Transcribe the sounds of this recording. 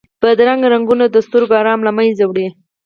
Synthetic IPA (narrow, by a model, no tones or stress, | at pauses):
pəd̪ɾaŋɡɾaŋɡunad̪əst̪ʊɾɡɑɾɑmlamajzawɽe